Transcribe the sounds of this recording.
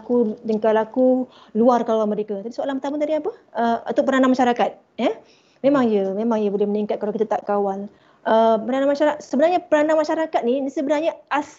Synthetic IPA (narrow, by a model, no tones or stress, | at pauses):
kudəŋkalaku | luarkawalməɾekat̪apisoalanmpərt̪amud̪adiapəəut̪uʔ̚pəɾanamaʃaɾakat̪̚ | jə | mẽmaŋjəmemãŋjəbolɛhməniŋkat̪̚kalawkit̪at̪aʔkawal | ʔəpəɾanamaʃaɾsəbənarɲapəɾanamaʃaɾakat̪̚ninisəbənarɲaas